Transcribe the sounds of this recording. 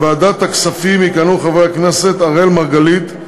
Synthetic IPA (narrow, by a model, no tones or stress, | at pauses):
baad̪at̪aksafimikanuχaveakneset̪aʁelmaʁɡalit̪